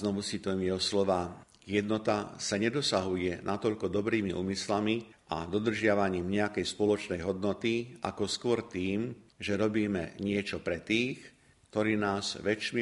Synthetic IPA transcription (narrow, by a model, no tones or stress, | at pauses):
nɔʋusit̪uɛmjɛɦɔslɔʋaː | jɛd̪nɔt̪asaɲɛd̪ɔsaɦujɛnʔat̪ɔʎkɔd̪ɔbɾiːmiʔṵːmislami | ʔa̰d̪ɔd̪r̩ʒɪaʋaɲiːmɲɛakɛjspɔlɔt͡ʃnɛjɦɔd̪nɔt̪iʔa̰kɔskʊɔɾt̪iːmʒɛɾɔbiːmɛɲɪɛt͡ʃɔpɾɛt̪iːx | kt̪ɔɾiːnaːz̥ʋɛt͡ʃm